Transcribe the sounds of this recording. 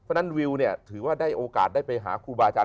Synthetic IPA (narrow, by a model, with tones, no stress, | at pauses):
na˥˩nwi˧wni˥˩ɐt̪ʰɯː˨˩˦waː˥˩daː˥˩jʔoː˧ka̰ː˨˩t̪̚daː˥˩jpa˧jɦa̰ː˩˦kʰuː˧baː˧t͡ɕa˧